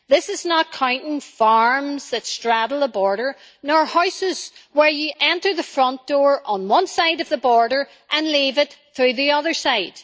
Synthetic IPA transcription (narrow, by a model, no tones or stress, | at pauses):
ðɪsɨznət̚kʰãʊ̃ntɪ̃ŋfɑɹmzðɨtstɹ̥aɾl̩ˠəbɔɹɾə˞ | nɔɹhɔʊsɪz̥wə˞jɨʔɛ̃ntə˞ðəfɹʌ̃nd̥ɔɹʔə̃nwʌ̃nsaɪɾʌvðəbɔɹɾə˞ | ʔə̃nlivɪt̪θɹʉðiʌðə˞saɪd̥